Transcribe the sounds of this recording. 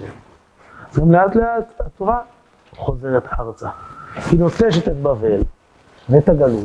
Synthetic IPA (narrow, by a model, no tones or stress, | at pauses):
azɡamleat̪leat̪hat̪oʁa | χo̞zeʁet̪aʁt͡sakinot͡seʃet̪et̪bavel | net̪aɡalu